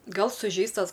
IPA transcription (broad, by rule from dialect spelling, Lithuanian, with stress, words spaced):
ˈɡɐlˠ sʊˈʒʲɛɪstɐs